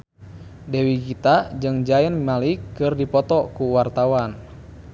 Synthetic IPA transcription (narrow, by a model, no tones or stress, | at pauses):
dɛwikit̪ad͡ʒɨŋd͡ʒaɛnmalikɨrdipɔt̪ɔkuwart̪awan